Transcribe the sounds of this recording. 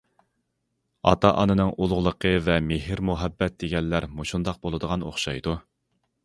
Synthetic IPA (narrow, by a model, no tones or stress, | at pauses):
ɑ̰t̪ʰɑʔɑnɨnɨŋʔulˠʁlˠəqʰəvɛmeɦɪɾmuɦɛbːɛt̪̚d̪eɡʲɛnːæɾmoʃund̪ɑq̚bolˠɨd̪əʁɑno̰χʃɑjd̪u